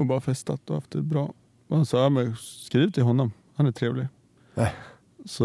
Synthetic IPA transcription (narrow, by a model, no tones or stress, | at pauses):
ɔbɑːɾəfɛst̪ɑt̪ɔhɑ̰ft̪̚d̪ɛt̪̚bɾɑː | ɑnsɑæɾmɛskɾiːʋət̪ʰɪɦɔnːɔm | hɑnæt̪ʰɾeːʋəlɪ | sɔ